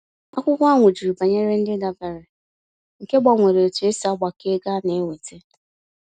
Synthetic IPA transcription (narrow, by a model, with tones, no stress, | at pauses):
a˦kʷʊ˦kʷa˦ŋʷʊ˨d͡ʒi˨ɾu˨ba˨ɲe˦ɾe˦n̩˦dɪ˦ɡa˦be˨ɾe˨ | ŋ̩˨ke˦ɡ͡ba˨ŋʷe˨ɾe˨tu˨e˦sa˦ɡ͡ba˨ke˦ɡa˦ne˨˦ŋʷe˨te˦